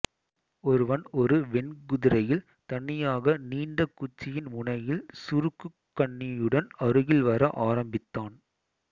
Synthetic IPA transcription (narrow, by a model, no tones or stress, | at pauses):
ɔɾɯʋɐnɔɾɯʋɛnɡʊðɪɾɐjɪl | t̪ɐɳːɪjaːɣɐniːɳɖɐkːʊt͡ʃːɪjɪnmʊɳɐjɪlsʊɾɯkːɯkːɐɳːɪjɯɽɐnɐɾɯɣɪlʋɐɾɐʔaːɾɐmbɪt̪ːaːn